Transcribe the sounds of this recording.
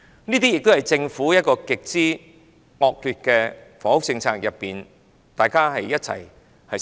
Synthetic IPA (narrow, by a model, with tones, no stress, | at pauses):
niː˥t̪iː˥jɪ˨k̚t̪o˥whɐ˨jt͡sɪ˧ŋfuː˨˥jɐ˥t̚kɔː˧kɪ˨k̚t͡siː˥ | ŋɔː˨k̚lyː˨˧t̚kɛː˧fɔː˨˥hʊ˥k̚t͡sɪ˧ŋt͡sʰaː˧k̚jɐ˨pːiː˨n | t̪aː˨jkaː˥ɦɐ˨jːɐ˥t̚t͡sʰɐ̰˨˩j | hɐ˨